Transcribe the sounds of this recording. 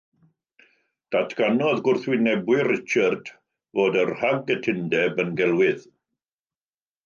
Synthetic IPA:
d̥atʰɡ̥anɔðɡʊrθwɪnɛbwɪrɪt͡ʃʰərd̥ | voːdərhaɡətʰɪndɛbənɡɛlˠwɪð

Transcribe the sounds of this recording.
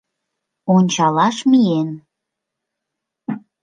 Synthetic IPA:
onʲt͡ɕɑlɑʃmijen

